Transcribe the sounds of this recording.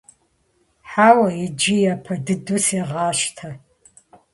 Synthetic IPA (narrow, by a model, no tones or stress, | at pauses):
ħawɐid͡ʒɪjapʰɐdɨdusiʁaːʃtʰa